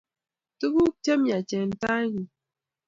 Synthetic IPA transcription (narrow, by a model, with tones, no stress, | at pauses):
tu˦bu˦k̚t͡ʃə˦mja˨t͡ʃɛ˨n˦ta˦ɲi˨